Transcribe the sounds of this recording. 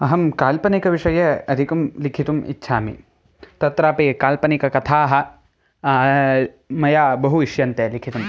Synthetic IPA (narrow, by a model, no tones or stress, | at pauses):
ɐɦɐmkaːlpɐnikɐʋiʂɐjɐɐd̪ʱikumlikʰit̪umḭtːʃʰaːmḭ | t̪ɐt̪ɾaːpekaːlpɐnikɐkɐt̪ʰaːɦɐ̆ | mɐjaːbɐɦuiʃjɐnt̪eːlikʰit̪um